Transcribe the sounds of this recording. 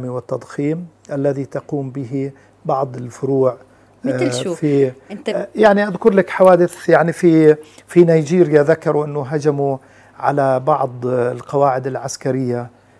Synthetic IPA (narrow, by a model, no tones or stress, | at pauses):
miwɪt̪ːɑd̪ˤxiːm | ʔalːaðit̪ɑquːmbɪɦi | bɑʕd̪ˤɪlfʊɾuːʕ | fi | jaʕniʔaðkʊɾlakħawaːd̪ɪθjaʕnififinajd͡ʒiːɾɪjaðakːɑɾuʔɪnːʊɦad͡ʒamu | ʕa̰labɑʕd̪ˤlqɑwaːʕɪd̪ɪlʕaskaɾɪjːa